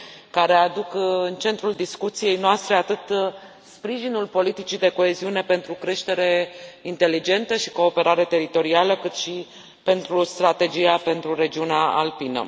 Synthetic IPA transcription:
kaɾe̞ad̪ukɨnt͡ʃe̞nt̪ɾuld̪iskut̪sije̞jnoast̪ɾe̞at̪ɨt̪ | spɾiʒinulpo̞lit̪it͡ʃid̪e̞ko̞e̞ziune̞pe̞nt̪ɾukɾe̞ʃt̪e̞ɾe̞int̪e̞lid͡ʒe̞nt̪əʃi̥ko̞ːpe̞ɾʔaɾe̞t̪e̞ɾit̪o̞ɾialəkɨt̪ʃi | pe̞nt̪ɾust̪ɾat̪e̞d͡ʒijape̞nt̪ɾuɾe̞d͡ʒiuneaa̰lpinə̰

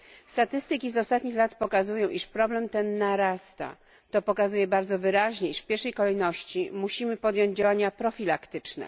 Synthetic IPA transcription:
st̪at̪ɘst̪ɘkʲizɔst̪at̪̚ɲixlat̪pɔkazujɔ̃w̃ʔiʂpɾɔblɛmt̪ɛnːaɾast̪a̰ | t̪ɔpɔkazujɛbaɾd̪zɔvɘɾaʑɲɛiʂfpʲjɛɾʂɛjkɔlɛjnɔɕt͡ɕimuɕimɘpɔd̪jɔ̃ɲd͡ʑd͡ʑawaɲapɾɔfʲilakt̪ɘt͡ʂnɛ̰

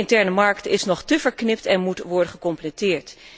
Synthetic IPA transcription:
ɪntɛɹnəmɑɹktɪsnɔχtəvəɹknɪptɛnmutʋɔɹdənχəkɔmplətɪːɹt

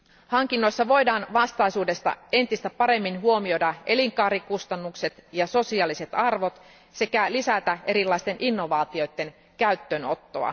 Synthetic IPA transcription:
hɑŋkinːo̞jsːɑʋo̞jdɑːnʋɑst̪ɑisuːde̞st̪ɑ̰e̞nt̪ist̪æpɑɾe̞mːinɦuo̞mio̞dɑe̞liŋkɑːɾikust̪ɑnːukse̞t̪jɑso̞siɑːlise̞t̪ɑrʋo̞t̪ | se̞kælisæt̪æʔe̞ɾilːɑist̪e̞nʔinːo̞ʋɑːt̪io̞jt̪ːe̞n | kæyt̪ːøno̞t̪ːoɑ̰

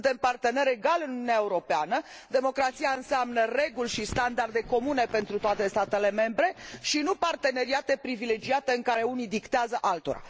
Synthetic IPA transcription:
d̪empart̪e̞ne̞ɾe̞ɡalɨnununeaeuɾo̞peanə | d̪e̞mo̞kɾat̪siaɨnseamnəre̞ɡulʲʃist̪and̪ard̪e̞ko̞mune̞pe̞nt̪ɾut̪oat̪e̞st̪at̪e̞le̞me̞mbɾe̞ʃinupart̪e̞ne̞ɾiat̪e̞pɾivile̞d͡ʒiat̪e̞ɨŋkaɾe̞unid̪ikt̪eazəʔalt̪o̞̰ɾa̰

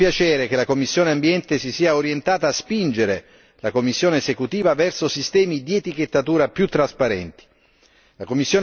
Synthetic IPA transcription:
pjat͡ʃɛːɾekelakomːisːjoːneambjɛnt̪esisiːaoɾjent̪aːt̪aːspind͡ʒeɾe | lakomːisːjoːnesekut̪iːvavɛrsosist̪ɛːmid̪iet̪ik̟et̪ːat̪uːɾapjut̪ːɾaspaɾɛ̰nt̪i̥ | lakomːisːjoːn

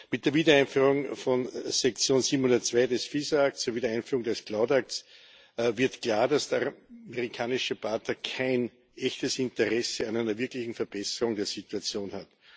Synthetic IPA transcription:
mɪt̚d̥eːɐviːdɐæɪnfyːʁʊŋfɔnsɛk̚t͡sjoːnsiːbm̩hʊndɐtt͡sv̥aɪdɛsfiːzɐak̚tt͡sːuːɐviːdɐæɪnfyːʁʊŋdɛsklaʊtak̚ts | vɪɐtklaːɐdasd̥eɐmeʁikʰaːnɪʃəbatɐkʰaɪn | ʔɛçtəsɪ̃ntəʁɛsəanæɪnɐvɪɐklɪçn̩fɛɐb̥ɛsəʁʊŋdeːɐsituat͡sjoːnhat

